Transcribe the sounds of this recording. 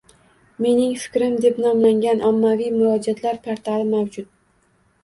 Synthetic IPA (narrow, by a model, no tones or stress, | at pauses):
me̞nɪŋfɪ̥kʲɾɪmd̪e̞pnɒmlaŋɡʲanʔɒmːavijmʊɾɒd͡ʒat̪ʰlaɾpʰaɾt̪ʰalɪmawd͡ʒʊt̪̚